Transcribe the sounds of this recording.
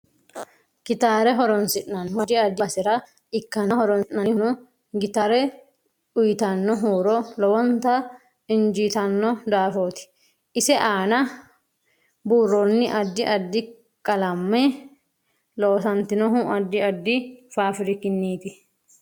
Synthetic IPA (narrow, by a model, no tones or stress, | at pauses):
kɪt̪aːɾɛɦɔɾɔnsɪʔnɐnɦɔd̪ɪɐd̪ːɪɐsɪɾɐ | ɪkːɐnɐhɔɾɔnɪnnɐnɪnʊ | ɡɪt̪aːɾɛ | ʊjɪt̪ɐnːɔɦuːɾɔlɔwɔnt̪ɐ | ɪnd͡ʒiːt̪ɐnːɔd̪aːfoːt̪ɪ̥ | ʔɪsɛʔaːnɐ | buːrːɔnːɪʔɐd̪ːɪʔɐd̪ːɪ | kʼɐlɐmːɛ | loːsɐnt̪ɪnɔɦuʔɐd̪ːɪɐd̪ːɪfaːfɪɾɪkɪnːiːt̪ɪ